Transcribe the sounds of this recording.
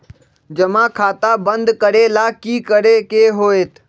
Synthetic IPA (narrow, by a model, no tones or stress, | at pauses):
d͡ʒəmãkʰaːt̪abə̃nd̪kəɾelaːkiːkəɾekeɦoːeːt̪ʰ